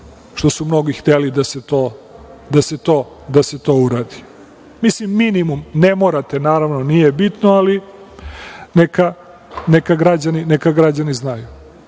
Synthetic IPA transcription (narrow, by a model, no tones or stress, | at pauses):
ʃt̪o̞sumno̞ɡixt̪elid̪aset̪oːd̪ase̞t̪o̞ː | d̪aset̪o̞uɾaːd̪i | mislimːinimumne̞moɾat̪e̞naːɾaʋno̞nijebit̪noali | neka | nekaɡɾad͡ʑaninekaɡɾad͡ʑaniznaju